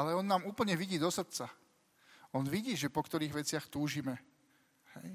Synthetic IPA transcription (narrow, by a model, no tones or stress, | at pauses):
alɛɔnːaːmuːpl̩ɲɛʋiɟiːd̪ɔsat̪̚t͡sa | ɔnʋiɟiːʒɛpɔkt̪ɔɾiːɣʋɛt͡sɪaxt̪uːʒiːmɛ | hɛj